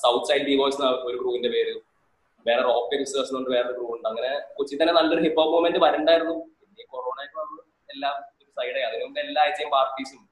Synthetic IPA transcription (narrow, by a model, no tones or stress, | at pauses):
sɐwt̪ʰsɐjlɖɖiʋo̞ːjsnaːo̞ɾuɡruːʋinde̞pe̞ːɾu | ʋe̞ːrero̞ːkːeʋisɐsioɳɖɨʋe̞ːrɐoɾuɡruːʋuɳɖɨɐŋːɐne̞kut͡ɕːit̪ːɐnːenɐlːo̞ɾuɦipːoːbmomendɨʋɐɾuɳɖaːjiɾunːupinːeko̞roːɳaːjikːaɽunːɨ | elːaːmoɾusɐjɽɐeɐðinuɖɨelːaːjt͡ɕːejmpaːrʈːiːsum